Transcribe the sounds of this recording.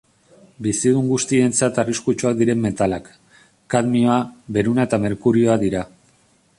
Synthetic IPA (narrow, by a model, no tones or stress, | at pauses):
bisiðuŋɡust̪ie̞nt͡sat̪ariskut͡ʃuak̚d̪iɾe̞mːe̞t̪alakː | aðmioaβe̞ɾunae̞t̪ame̞ɾkuɾio̞aðiɾa